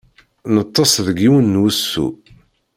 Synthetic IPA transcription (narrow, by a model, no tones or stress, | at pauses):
nət̪ˤːɑsˤðəɡiwənːwusːṵ